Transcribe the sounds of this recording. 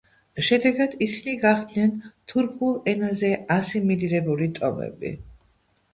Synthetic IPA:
ʃɛd̪ɛɡad̪̥isiniɡaχd̪nɛnt̪ʰuɾkʰulˠɛnazɛasimiliɾɛbulit̪ʼɔ̰mɛ̰bḭ

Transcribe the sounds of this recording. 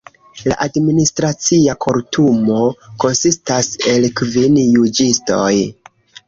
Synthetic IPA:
la̰ʔadministɾat͡siakʰo̞ɾtʰumo̞ko̞nsistase̞lkvinjud͡ʒisto̞j

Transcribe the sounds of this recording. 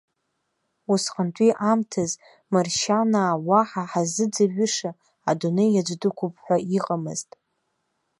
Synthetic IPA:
usqʼəntʼiʔamtʰaz | marʃanaːwaħaħazɨd͡zaɥɪʂa | adunejad͡ʒʷdɨkʷʰʊpʰʼħʷaiqʼamɨztʼ

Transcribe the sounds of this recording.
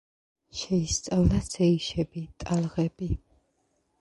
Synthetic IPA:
ʃɛist̪sʼavlasɛiʃɛbit̪ʼalˠʁɛbi

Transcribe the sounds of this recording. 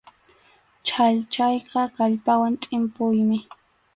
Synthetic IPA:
t͡ʃʰaʎt͡ʃajqɑkaʎpawant̪ʼɪmpʊjmɪ

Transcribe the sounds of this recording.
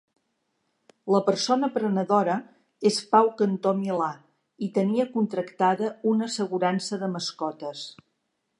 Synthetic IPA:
ləpəɾsonəpɾənəðoɾə | espawkənt̪omila | it̪əniəkunt̪ɾəkt̪aðəunəsəɣuɾansəðəməskɔt̪əs

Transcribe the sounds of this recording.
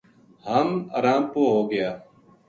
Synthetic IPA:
həma̰ːɾaːmpoːɦoːɡɪjaː

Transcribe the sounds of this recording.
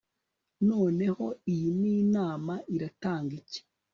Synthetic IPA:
no̞ːne̞ho̞ijiniːnaːmaʔiɾataːŋɡice̥

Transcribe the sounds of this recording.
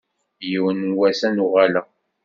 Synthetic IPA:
jiwənwæsænuʁælə

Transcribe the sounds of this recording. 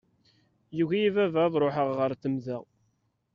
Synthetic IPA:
juʝæjivævæðˤɾˤoħəʁʁəɾθəmðæ

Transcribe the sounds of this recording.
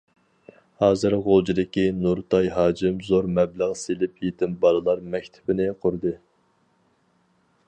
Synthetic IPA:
hɑːzɨɾʁolˠd͡ʒid̪ɪkʲinuɾt̪ʰɑjɦɑːd͡ʒɪmzoɾmɛbləʁselɪpjet̪ʰɪmbɑɾɨlˠɑɾmɛkʲt̪ʰɪ̥pɪnɪqʰʊɾd̪ɨ

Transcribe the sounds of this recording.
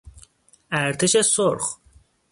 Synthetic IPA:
æɾt̪ʰeʃesoɾχ

